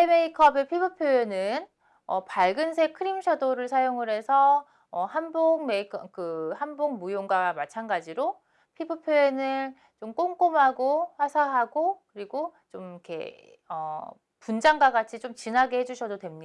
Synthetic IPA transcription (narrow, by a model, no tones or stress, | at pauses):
peme̞ikʰʌbe̞pʰibɯpʰjoenɯn | ʌ̰paɭɡɯns̬ʰe̞kʰɯɾimɕʰadoɾɯɭsʰajoŋɯɾe̞sʰʌ | ʌhanboŋme̞ikʰʌkɯhanboŋmujoŋɡwamat͡ɕʰanɡad͡ʑiɾo | pʰibɯpʰjoe̞nɯ | t͡ɕomk͈oŋk͈omɦaɡoɸwasʰaɦaɡokɯɾiɡot͡ɕomikʰe̞̰ | ʌ | pund͡ʑaŋɡwaɡat͡ɕʰit͡ɕomt͡ɕinɦaɡehed͡ʑuɕʰʌdodwe̞mɲida